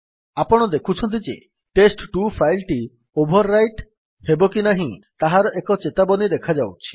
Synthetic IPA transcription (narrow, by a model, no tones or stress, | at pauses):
apɔɽ̃ɔd̪ekʰut͡ʃʰɔnt̪̬id͡ʒḛ | ʈesʈʈupʰajlʈi | obʱɔɾːajʈ | hebɔkinaɦĩt̪aɦaɾɔʔekɔt͡ʃet̪abɔnid̪ekʰad͡ʒawt͡ʃʰi̥